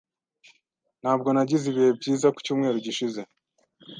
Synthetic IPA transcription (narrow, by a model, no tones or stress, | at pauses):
n̥haːb̚ɡo̞naɟiziβiebɟiːzaku̥cuːmŋe̞ːɾuɟiʃize̞